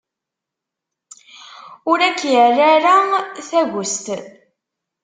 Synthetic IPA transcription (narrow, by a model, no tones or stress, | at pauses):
ʊɾækːjərːaɾaθæʝʊst̪